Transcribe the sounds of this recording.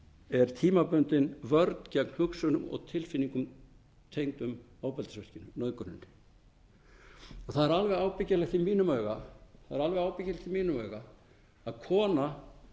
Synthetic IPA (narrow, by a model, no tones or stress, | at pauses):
ɛɾ̥t̪ʰiːmapœnt̪ɪnvœɾt̪n̥cɛkn̥hʏksœnʏmɔ̰ɣt̪ʰɪlfɪnːiŋkʏm | t̪ʰejnt̪ʏm | oːwpɛlt̪asɛr̥cɪnʏnœðkœnɪ̰nːɪ | ɔθaðɛɾalvɛɣaːwpɪcalɛxt̪imiːnʏmœːɥɣaθaðɛɾalvɛɣaːwpɪcːalɛxt̪imiːnʏmœɥɣa | aðkʰɔːna